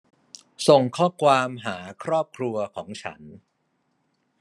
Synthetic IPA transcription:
so˨˩ŋkʰɔː˥˩kʰwaː˧mɦaː˩˦kʰɾɔː˥˩p̚kʰɾu˧ɐkʰɔː˩˦ŋt͡ɕʰa̰˦˥n

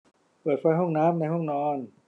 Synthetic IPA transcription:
pɤː˨˩t̪̚fa˧˥jɦɔ˥˩ŋnaː˦˥mna˧jhɔ˥˩ŋnɔː˧˥n

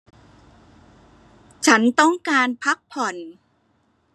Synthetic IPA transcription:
t͡ɕʰa˦˥nt̪ɔ˥˩ŋkaː˧npʰa˦˥k̚pʰɔ˨˩n

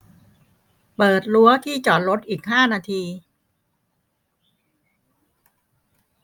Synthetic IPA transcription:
pɤː˨˩t̪̚lu˦˥ɐt̪ʰiː˥˩t͡ɕɔː˨˩t̪̚ɾo˦˥t̪̚ʔiː˨˩k̚ɦaː˥˩naː˧t̪ʰiː˧

